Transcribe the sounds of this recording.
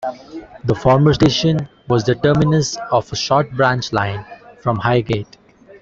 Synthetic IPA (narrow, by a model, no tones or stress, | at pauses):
d̪əfɔːɾməɾsʈeːʃə̃n | ʋɔːzd̪əʈəːmɪnə̃sɔfəʃɔːɾʈ̚bɾãnt͡ʃlãɪ̃nfɾɔ̃mhaɪɡeːʈ